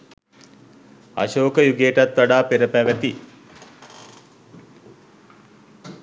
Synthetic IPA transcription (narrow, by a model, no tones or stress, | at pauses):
a̰ʃoːkəjuɡeːʈat̪ʋaɖaːpeɾəpæʋæt̪i